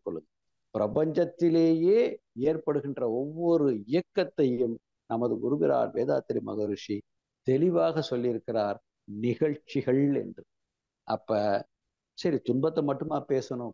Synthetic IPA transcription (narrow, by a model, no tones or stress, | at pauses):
kːɔɭːɯðɯ | pɪɾɐpɐɲd͡ʒɐt̪ːɪleːjeːeːrpɐɽɯɣɪndrɐɔʋːɔɾɯɪjɐkːɐt̪ːɐjɯm | nɐmɐðɯɡʊɾɯbɪɾa̰ːɾʋḛːðaːt̪ːɪɾimɐ̰ɣɐɾʂi | t̪ɛlɪʋaːɣɐsɔlːɪɾɯkːɪraːɾ | nɪɣɐɻt͡ʃːɪɣɐɭɛ̰ndrɯ | ʔɐ̰pːɐ | sɐɾit̪ʊnbɐt̪ːɐmɐʈːɯmaːpeːsɐno